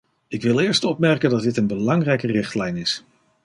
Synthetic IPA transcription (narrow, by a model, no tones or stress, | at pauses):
ɪkʋɪlˠɪːɹstɔp̚mɛɹkəndɑt̚dɪtənbəlɑŋrɛjkərɪχtlɛjnɪs